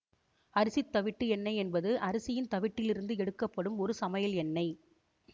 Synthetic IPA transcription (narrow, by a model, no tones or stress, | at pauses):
ɐɾɪsit̪ːɐʋɪʈːɯɛnːɐɪɛnbɐðɯʔɐɾɐsɪjɪnt̪ɐʋɪʈːɪlɪɾɯnd̪ɯɛɽɯkːɐpːɐɽɯmɔɾɯsɐmɐjɐlɛnːɐɪ